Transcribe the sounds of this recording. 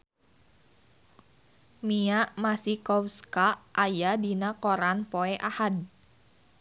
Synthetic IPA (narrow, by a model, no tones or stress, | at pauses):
miaʔmasikɔwskaʔʔːjadinakɔɾanpoɛʔahad